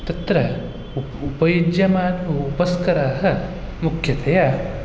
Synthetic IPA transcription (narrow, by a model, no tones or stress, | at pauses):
t̪ɐt̪ɾɐ | upɐjid͡ʒjɐmaːnʋɐupɐskɐɾaːɦɐ̆ | mukʰjɐt̪ʰɐjaː